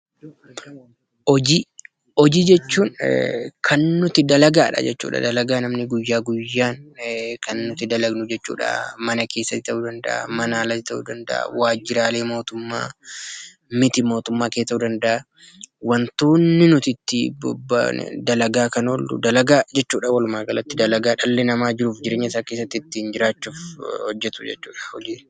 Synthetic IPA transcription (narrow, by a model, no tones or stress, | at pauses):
ɔd͡ʒi | ɔd͡ʒiːd͡ʒɛt͡ʃːuːnkʰɐnːʊt̪ɪd̪ɐlɐɡaːᶑɐ̰d͡ʒɛt͡ʃːṵːᶑɐ̰d̪ɐlɐɡaːnɐmnɪɡʊjːaːɡʊjːaːnkɐnːʊt̪ɪd̪ɐlɐɡnʊd͡ʒɛt͡ʃːṵːᶑɐ̰ʔmɐnɐke̞ːsːɐt̪ːɪt̪ɐʔuːd̪ɐnd̪ɐ̰ʔa̰mɐnaːlɐɪt̪ɐʔṵːd̪ɐnd̪ɐ̰ʔa̰waːd͡ʒɪɾaːle̞ːmo̞ːt̪ʊmːa̰ː | mɪt̪ɪmo̞ːt̪ʊmːaːkeːt̪ɐʔuːd̪ɐnd̪ɐʔa | wɐnt̪uːnːɪnʊt̪ɪt̪ːɪbɔ̰bːɐ̰d̪ɐlɐɡaːkɐnold̪ʊ̰d̪ɐlɐɡaːd͡ʒɛt͡ʃːuːᶑɐwɐlʊmaːɡɐlɐt̪ːɪd̪ɐlɐɡaːᶑɐlːɛnɐmaːd͡ʒɪɾuːfd͡ʒɪɾe̞ːɲːɐɪsaːkeːs̬ːɐt̪ːɪt̪ːɪhɪnd͡ʒɪɾaːt͡ʃːuːfhɔd͡ʒːɛt̪ʊd͡ʒɛ̰t͡ʃːuːᶑɐ̥hɔd͡ʒiː